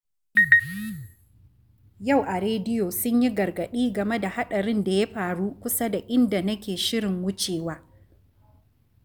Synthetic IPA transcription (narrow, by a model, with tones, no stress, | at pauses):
ja˦˨wʔa˨ɾeː˦dɪ˦joː˨sʊ˦ɲji˦ɡɐ˨ɾɡɐ˨ɗiː˦ɡɐ˨me˦da˨ha˦ɗɐ˨ɾɪ˦nda˨ja˦ɸaː˨ɽu˦kʷʊ˦sa˦da˨ʔɪ˦nda˨nɐ˦kʲeː˨ʃɪ˦ɾɪ˨ŋwʊ˦t͡ʃeː˨waː˦